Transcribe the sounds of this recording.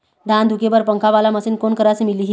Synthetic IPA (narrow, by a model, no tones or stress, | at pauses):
d̪ʱand̪ʱukebəɾpəŋkʰaʋalaməsiːnkonkəɾasimiliːɦi